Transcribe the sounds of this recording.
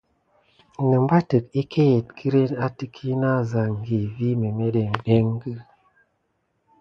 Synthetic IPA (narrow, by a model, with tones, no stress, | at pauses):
nə˨m˦ba˦tə˨k̚i˦kʰe˦je˨t̚kʰi˦ɾe˦na˦ti˦kʰi˦na˦˨za˨ŋɡi˨vi˦me˨me˦ɗe˨ŋɗe˦ŋɡɨ˦